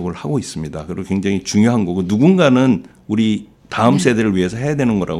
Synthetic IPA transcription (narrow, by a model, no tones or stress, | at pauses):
ɡɯɭhaɡois͈ɯmɲidakɯɾiɡokwe̞ŋd͡ʑaŋit͡ɕuŋjoɦanɡʌɡɯnuɡunɡanɯn | uɾi | taɯms͈ʰedeɾɯɭɥiɦe̞sʰʌɦe̞jadwe̞nɯnɡʌɾa̰ɡ